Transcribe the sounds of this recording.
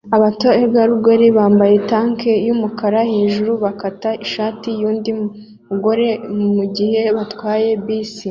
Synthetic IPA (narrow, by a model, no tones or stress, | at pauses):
aβato̞ebɡaɾuɡweɾiβaːmbaje̞taːŋkʰe̞jumukaɾahiːʒuɾuβakataiʃaːtijuːndi | muɡo̞ɾe̞muɟihe̞βatwaːje̞biːsi